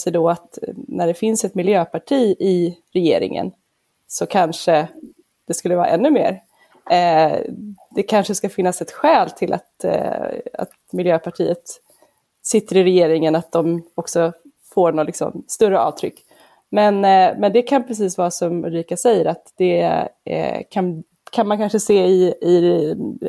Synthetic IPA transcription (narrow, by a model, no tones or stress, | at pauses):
sɛd̪ɔat̪næɖɛfɪnsɛt̪mɪljøːpʰaʈʰiːɪɾɛjḛːɾɪ̰ŋə̰n | sɔkʰanʂə | d̪̥ɛskɵlːəvɑːɾa̰ʔɛnːɵmḛːɾ | d̪̥ɛkʰanʂəskafɪnːasɛt̪ɧɛːlt̪ʰɪlʔa̰t̪ | a̰t̪̚mɪljøːpʰaʈʰḭːət̪ | sɪt̪ːəɾɪɾɛjeːɾɪŋənat̪̚d̪ɔmɔksɔ | foːɳɔlɪksɔ̰mst̪ɵɾəʔɑ̰ːvt̪ʰɾʏkː | mɛnmɛnd̪ɛkʰanpʰɾɛs̬iːsvɑːsɔmɾiːkasɛjːəɾat̪d̪̥ɛ̰ | kʰan | kʰanmankʰanʂəseːɪɪ